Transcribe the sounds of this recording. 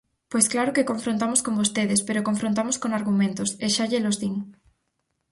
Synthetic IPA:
pojsklaɾokekõɱfɾõnt̪amoskombost̪eðespeɾokoɱfɾõnt̪amoskoŋaɾɣumẽnt̪oseʃaʎelozðiŋ

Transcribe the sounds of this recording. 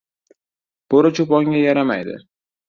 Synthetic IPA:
b̥oɾɪt͡ʃʰʊpɒŋʲajaɾama̰jd̪ɪ̰

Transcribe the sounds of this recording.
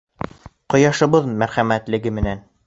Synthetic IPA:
qŏjɑʃɤ̆βɤðmæɾχæmæt̪lɘ̆ɡɘmɘ̆næn

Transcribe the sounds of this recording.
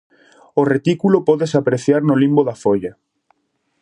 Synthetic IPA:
oret̪ikulopɔðesapɾeθjaɾnolimboðafoʎa

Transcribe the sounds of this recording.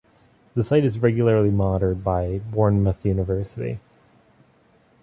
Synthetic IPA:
ðɨsaɪɾɨzɹɛɡjl̩ˠə˞lˠimɑɾə˞d̚baɪbɔɹnməθjʉnəvɜ˞sɨɾḭ

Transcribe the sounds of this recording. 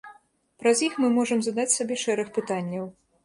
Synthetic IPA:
pɾɐzʲjixmɨmɔʐɐmzad̪at͡sʲsabʲɛʂɛɾɐxpɨt̪anʲːɐw

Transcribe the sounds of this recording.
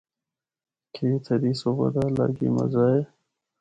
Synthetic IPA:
kʰeːt̪ʰəɾisobə̰d̪ala̰ɡḭmɐ̰zae

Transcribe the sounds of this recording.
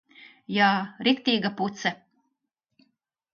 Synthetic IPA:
jaːɾikt̪ʲiːɡaput̪sɛ

